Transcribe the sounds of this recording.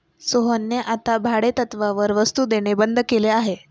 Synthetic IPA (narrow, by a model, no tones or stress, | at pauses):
soɦənjeʔat̪abʱaɽet̪ət̪ʋaʋəɾʋəst̪uːd̪eɽ̃ebənd̪ʱkeleaɦe